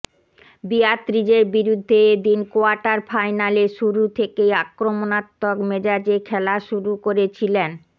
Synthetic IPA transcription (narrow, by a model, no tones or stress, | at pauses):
biat̪ːɾid͡ʑeɾbiɾud̪ʱːed̪inkoaɾʈaɾfajnaleʃuɾut̪ʰekejakɾomonat̪ːokmed͡ʑad͡ʑekʰɛlaʃuɾukoɾet͡ɕʰilen